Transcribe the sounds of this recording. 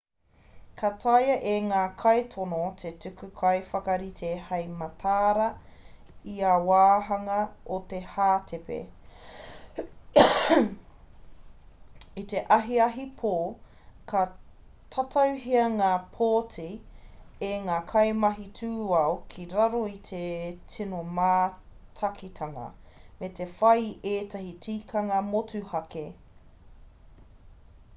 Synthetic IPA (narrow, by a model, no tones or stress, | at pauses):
kʰɐtʰɐjɐʔeŋaːkʰɐjtʰonot̪ʰetʉkʉkʰɐjfɐkɐɾit̪ʰehɐjmɐtʰaːɾɐ | iawaːɦɐŋɐot̪ehaːtʰepḛ | it̪eʔɐɦiɐɦipʰoː | kʰɐ | tʰɐtʰɐwɦiɐŋaːpʰoːtʰi | eŋaːkʰɐjmɐɦitʰuːɐokʰiɾɐɾoitʰetʰinomaːtʰɐkʰitʰɐŋɐ̰ | metefɐjeːtɐhitʰiːkʰɐŋɐmotuhɐke